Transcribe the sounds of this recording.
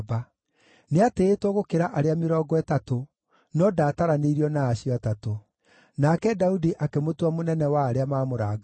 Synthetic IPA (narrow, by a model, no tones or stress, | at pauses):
ba | neateːtwɔɣokeɾaʔaɾeameɾɔːɡɔɛtato | nɔdaːtaɾaneiɾiɔnaːɕiɔatato | nakɛdaudiʔakemotwamonɛnɛwaːɾeamamoɾaːɡa